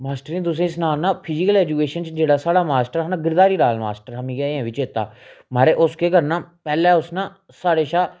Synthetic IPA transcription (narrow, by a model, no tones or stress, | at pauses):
maːsʈəɾĩːt̪ʊs̬ẽːɪsnaːnãːpʰɪd͡ʒɪkəlɛːd͡ʒuːkeːʃənt͡ʃd͡ʒeːɽaːsaːɽaːmaːsʈəɾɦaːnãːɡɪɾd̪aːɾiːɾaːlmaːsʈəɾamĩːɡɛːɛ̃ːʋɪt͡ʃeːt̪ːa̰ːmaːɾeːʔʊskeːkəɾnãːpɛːlɛ̃ːʊsnãː | saːɽeːʃaː